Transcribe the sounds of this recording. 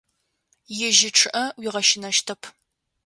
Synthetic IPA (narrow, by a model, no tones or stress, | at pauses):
jɪʒɪʈ͡ʂʰʼɨʔɐwiːʁɐʃɪnɐʃtʰɐpʰ